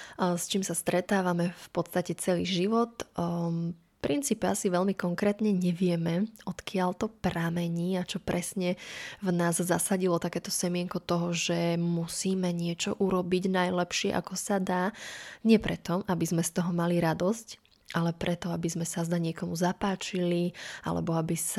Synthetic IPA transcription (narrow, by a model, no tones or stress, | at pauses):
st͡ʃiːmsast̪ɾɛt̪aːʋamɛfpɔt̪st̪acɛt͡sɛliːʒiʋɔt̪ | pɾint͡siːpɛasiʋɛlmikɔŋkɾɛːt̪ɲɛɲɛʋɪɛmɛɔt̪kɪaʎt̪ɔpɾamɛɲiːat͡ʃɔpɾɛsɲɛvnaːzzasaɟilɔt̪akɛːt̪ɔsɛmɪɛŋkɔt̪ɔɦɔʒɛmusiːmɛɲɪɛt͡ʃɔ̰ʔuɾɔbiɟnajlɛpʃɪɛ̰ʔa̰kɔsad̪aːɲɪɛpɾɛt̪ɔʔabizmɛst̪ɔɦɔmaliɾad̪ɔsc | ʔalɛpɾɛt̪ɔabizmɛsazd̪aɲɪɛkɔmuzapaːt͡ʃilia̰lɛ̰bɔabis